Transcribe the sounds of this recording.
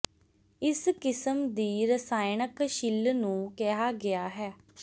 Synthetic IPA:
ɪskɪsəmd̪iːɾəsaːjnəkʃɪlnũːkeɦaːɡɪaːɦɛː

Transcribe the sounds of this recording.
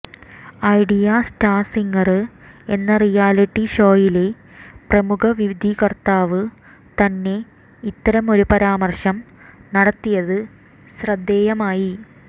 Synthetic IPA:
ɐjɖijasʈaːsiŋɡɐrɨ | e̞nːɐrijaːliʈːiɕo̞ːjile̞ | prɐmukʰɐʋiʋid̪ʱikɐrt̪aːʋɨ | t̪ɐnːe̞ | it̪ːɐɾɐmo̞ɾupɐɾaːmɐrɕɐm | nɐɽɐt̪ːijɐðɨ | ɕrɐd̪ːeːjɐmaːji

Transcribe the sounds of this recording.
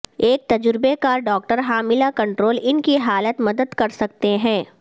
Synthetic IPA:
eːk̚t̪ɐd͡ʒɾɪbekaːɾɖɔːk̚ʈəɾɦaːmɪlakɐ̃ɳʈɾoːlɪnkiɦaːlət̪mɐd̪əd̪kɐɾsɐk̚t̪eɦɛ̃ː

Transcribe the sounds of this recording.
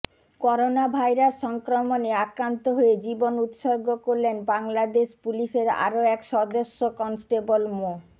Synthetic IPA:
kɔɾonabʱajɾasʃɔŋkɾomoneakɾant̪oɦoed͡ʑibonut̪ʃoɡokoɾlenbaŋlad̪eʃpuliʃeɾa̰ɾoɛkʃɔd̪oʃːokɔnsʈebolmo

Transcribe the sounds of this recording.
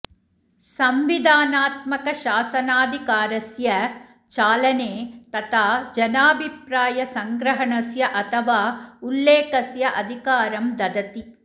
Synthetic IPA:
sɐmʋid̪ʱaːnaːt̪mɐkɐʃaːsɐnaːd̪ʱikaːɾɐsjɐ | t͡ʃaːlɐneːt̪ɐt̪ʰaːd͡ʒɐnaːbʱipɾaːjɐsɐŋɡɾɐɦɐɳɐsjɐʔɐt̪ʰɐʋaːulːeːkɐsjɐʔɐd̪ʱikaːɾɐmd̪ɐd̪ɐt̪i

